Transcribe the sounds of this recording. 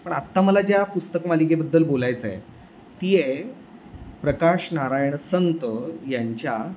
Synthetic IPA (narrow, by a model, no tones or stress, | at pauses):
pəɳat̪ːaməlad͡ʑjapust̪əkmalikebəd̪ːəlbolajt͡səḛ | t̪ie | pɾəkaɕnaɾajɳ̃sənt̪əjaɲt͡ɕja